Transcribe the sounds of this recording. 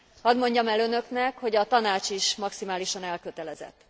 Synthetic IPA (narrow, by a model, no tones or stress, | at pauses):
hɒd̪mo̞ɲɟɒmɛlønø̞knɛkho̞ɟɒt̪ɒnaːt͡ʃiʃmɒksimaːliʃɒnɛlkøt̪ɛlɛzɛ̰t̪ː